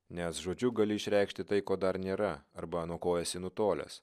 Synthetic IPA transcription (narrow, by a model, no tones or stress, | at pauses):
nʲɛsʒoːd͡ʒʲʊɡɐlʲɪɪʃʲɾʲɛˑɪkʃʲt̪ʲɪt̪ɐɪkoːd̪ɐɾnʲeːɾɐɐɾbɐnoːkoːjɛsʲɪnʊt̪oːlʲɛ̰s